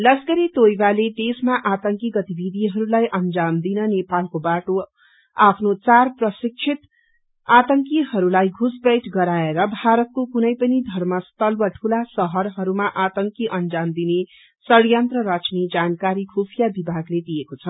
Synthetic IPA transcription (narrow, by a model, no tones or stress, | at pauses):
lʌsɡʌɾit̪ojbaled̪esmaʔat̪ʌŋkiɡʌt̪ibid̪ʱiɦʌɾulajʔʌnd͡zamd̪inʌnepalkobaʈo | apʰnot͡sarprʌsik̚t͡ʃʰit̪ | at̪ʌŋkiɦʌɾulajɡʱusbʌjʈɡʌɾaeɾʌbʱaɾʌt̪̚kokunʌjpʌnid̪ʱʌrmʌst̪ʌlbʌʈʰulasʌɦʌɾɦʌɾumaʔat̪ʌŋkiʔʌnd͡zamd̪ine | sʌɽjʌnt̪rʌɾʌt͡sned͡zankaɾikʰupʰijabibʱaɡled̪ijekot͡sʰʌ